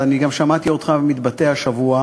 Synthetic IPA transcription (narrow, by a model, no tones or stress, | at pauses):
aniɡamʃamat̪io̞d̪χavemit̪bat̪e̞aʃavua